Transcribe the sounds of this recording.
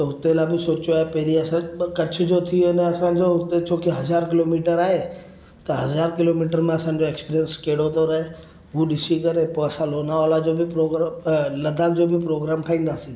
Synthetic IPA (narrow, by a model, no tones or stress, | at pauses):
t̪ɐɦʊt̪elaːbɪsoːt͡ɕoaːɦepɐɦɪɾiɐsãkɐt͡ɕʰʊ̆d͡ʑot̪ʰionɛɐsãːɲd͡ʑoʊt̪et͡ɕʰoːkiɦɐzaːɾkɪloːmiːʈəɾaːɦe | t̪ɐɦɐzaːɾkɪloːmiːʈəɾmẽɐsãːɲ̆d͡ʑoeːkspiɾijənskeːɽot̪oɾɐɦe | ɦuɗɪsikɐɾepoːɐsãloːnaɔːlad͡ʑoːbʱɪpɾoːɡlɐd̪ʱaːkd͡ʑoːbʱɪpɾoːɡɾaːmʈʰaːĩːnd̪aːsĩː